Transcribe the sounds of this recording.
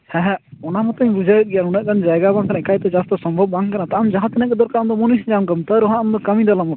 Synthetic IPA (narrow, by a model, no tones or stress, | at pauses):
hɛɦɛ̃ɔnamɔt̪ɔjbud͡ʒʱajət̪̚ˀɡɛjanunɛʔkand͡ʒajɡabãŋkanaɛkait̪ɛd͡ʒast̪ɔsɔmbʱɔbːaŋkanat̪aʔmd͡ʒaɦãt̪ɛnɛʔ̚kɛd̪ɔɾkamd̪ɔmɔnisd͡ʒamɡəmt̪aɾɔɦãʔamd̪ɔkəmĩd̪alamɔ